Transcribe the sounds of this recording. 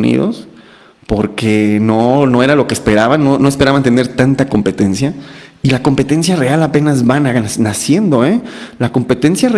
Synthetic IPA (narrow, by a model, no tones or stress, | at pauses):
nḭðo̰s | po̞ɾke̞nono̞e̞ɾalo̞kespe̞ɾaβanːo̞no̞e̞spe̞ɾaβant̪e̞ne̞ɾt̪ant̪ako̞mpe̞t̪e̞nsjailako̞mpe̞t̪e̞ns̬jare̞alape̞nazβananasje̞nd̪o̞elako̞mpe̞t̪e̞nsjae